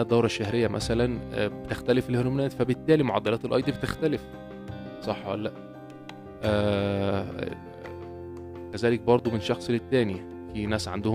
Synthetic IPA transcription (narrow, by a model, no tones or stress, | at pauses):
æd̪ːæwɾˤɑʃːæhɦɾejːæmʔæ̰sælænbet̪ext̪ælefelheɾomnæːt̪fæbet̪ːæːlimoʕɑd̪ːælæːt̪elʔɑjd̪ˤibet̪ext̪ælef | sˤɑħːwæ̰lːæʔ | ʔæ̰ː | kæzæːlek̚bɑɾˤd̪ˤomenʃɑxsˤelet̪ːæːni | finæːsʕa̰nd̪oh